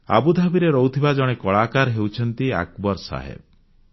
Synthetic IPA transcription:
a̰bud̪ʱabiɾeɾɔwt̪ʰibad͡ʒɔɽ̃ekɔɭakaɾɦewt͡ʃʰɔnt̪ia̰kbɔɾsa̰ɦḛb

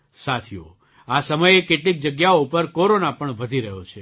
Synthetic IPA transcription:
sat̪ʰijo̰ | asəməjekeʈlik̚d͡ʒəɡjaoupəɾkoɾonapəɳʋəd̪ʱiɾəɦjot͡ʃʰe

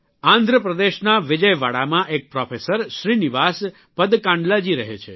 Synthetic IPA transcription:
ãnd̪ʱɾəpɾəd̪eʃnaʋɪd͡ʒəjʋaɽamãʔek̚pɾɔfʰesəɾʃɾiniʋas | pəd̪kãɳɖlad͡ʒiɾəɦḛt͡ʃʰḛ

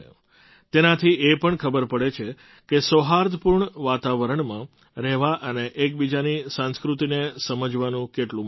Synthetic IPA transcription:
t̪enat̪ʰiepəɳkʰəbəɾpəɽet͡ʃʰe | kesoɦaɾd̪əpuɾɳʋat̪aʋəɾəɳmã | ɾɛɦʋaʔəneʔek̚bid͡ʒanisãnskɾut̪inesəməd͡ʒʋanũkeʈlũ

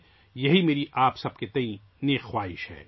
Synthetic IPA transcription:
jɐɦimeːɾiʔaːpsɐb̚ket̪ɐ̃ĩ | neːxxwaːɦɪ̰ʃɦɛ̰ː

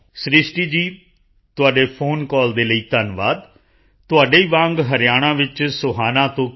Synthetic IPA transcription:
sɾɪʃʈiːd͡ʒiː | t̪ʊaːɖeːpʰoːnkɔːld̪eːləiːt̪ənʋaːd̪ | t̪ʊaːɖeːiːʋãːŋɡɦəɾɪjaːɽ̃ãːʋɪt͡ʃsʊɦaːnãːt̪õː

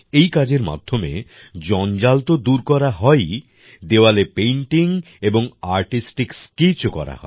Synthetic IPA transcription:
ejkad͡ʑeɾma̰d̪ʱːomḛ | d͡ʑɔnd͡ʑalt̪od̪uɾkɔɾaɦɔe | d̪eoalepejɳʈiŋ | eboŋaɾʈisʈikskit͡ɕokɔ̰ɾa̰ɦɔ̰e

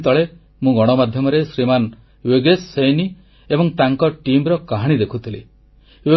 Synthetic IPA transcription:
t̪ɔɭe | mũɡɔɽ̃ɔmad̪ʱjɔmɔɾesɾiman | weɡesːejni | ebɔŋt̪aŋkɔʈimɾɔkaɦaɽ̃id̪ekʰut̪ʰili | we

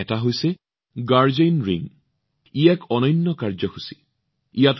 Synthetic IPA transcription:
ɛtaɦojsɛ | ɡaɹzejnɹiŋ | ijɛkʰɔnɔjnːɔkaɹzɔxusi̥ | ijat

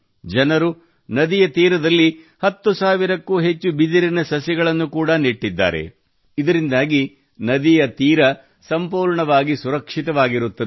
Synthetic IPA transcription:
d͡ʒɐnɐɾu | nɐd̪ijɐt̪iːɾɐd̪ɐlːi | hɐt̪ːusaːʋiɾɐkːuːɦet͡ʃːubid̪iɾinɐsɐsɛɡɐɭɐnːukuːɽɐniʈːid̪ːa̰ːɾe̞̰ | id̪ɐɾind̪aːɡi | nɐd̪ijɐt̪iːɾɐ | sɐmpuːɾɳɐʋaːɡisuɾɐkʂit̪ɐʋaːɡiɾut̪ːɐ

